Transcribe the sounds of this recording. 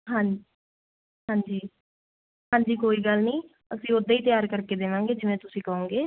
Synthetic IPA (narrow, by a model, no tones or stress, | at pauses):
ɦãː | ɦãːɲd͡ʒiː | ɦãːɲd͡ʒiːkoːiːɡəlnĩː | əsĩːod̪aːiːt̪jaːɾkəɾkeːd̪eːʋãːŋ̆ɡeːd͡ʒɪʋẽːt̪ʊsĩːkɔõːŋɡeː